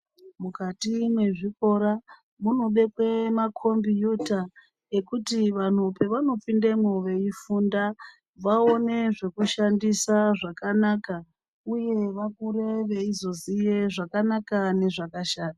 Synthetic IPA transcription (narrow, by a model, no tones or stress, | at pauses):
mukatimwe̞ʐiko̞ɾa | munoɓe̞kwe̞makʰo̞mbijuta | e̞kutiʋan̤upe̞ʋano̞p͡findemoʋe̞ifunda | ʋao̞ne̞ʐe̞kuʃandisaʐakanaːka | uje̞ʋakuɾe̞ʋeizozije̞ʐakanakane̞ʐakaʃaːna